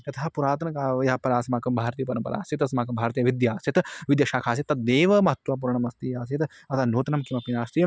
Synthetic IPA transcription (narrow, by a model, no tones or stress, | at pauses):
ɐt̪ʰɦapuɾaːt̪̬ɐnkaːjɐpɐɾaːsɐmaːkɐmbʱaːɾt̪ijɐp̬ɐɾɐ̃mpɐɾʔa̰ːsit̪ɐsmaːkɐmbʱaːɾt̪ijɐʋid̪jaːst̪ʰit̪ʋid̪jɐʃaːkʰaːs̬it̪ːɐt̪̚d̪eːʋɐmɐɦɐt̪wʋaːp̬uɾɐɳɐmɐst̪iːaːs̬it̪ | ɐt̪ʰaːnoːt̪nɐmkimɐpinaːst̪ij